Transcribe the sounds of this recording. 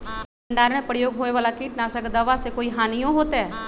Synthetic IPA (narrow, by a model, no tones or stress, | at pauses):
əɳɖaːɾɽ̃ẽpɾəjoːɡɦoːeʋaːlakiːʈnasəkd̪əʋasekoːiɦaːnijõɦoːt̪ɛ